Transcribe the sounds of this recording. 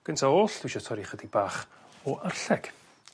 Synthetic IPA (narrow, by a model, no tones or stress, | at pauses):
ɡ̥əntʰaoːɬd̥wʃɔtʰɔɾiχədibaːχ | ɔʔərɬɛɡ̥